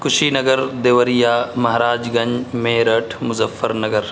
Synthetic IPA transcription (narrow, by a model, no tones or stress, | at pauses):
kʊʃiːnɐɡəɾd̪eːʋəɾijaːmɐɦɾaːd͡ʒɡɐɲmeːɾɐʈʰmʊzɐfːəɾnɐɡəɾ